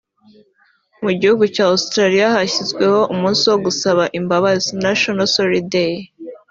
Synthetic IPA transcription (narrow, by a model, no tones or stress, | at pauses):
muɟihuɡucaːustɾaɾijahaçizɡwe̞ho̞ʔumuːnsiwoɡusaβaʔimbaβaznaʃonasoɾide